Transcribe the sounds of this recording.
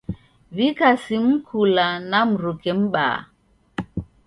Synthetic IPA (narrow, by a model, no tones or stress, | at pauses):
vikasim̩kʰulanam̩ɾukɛm̩ɓa̰ː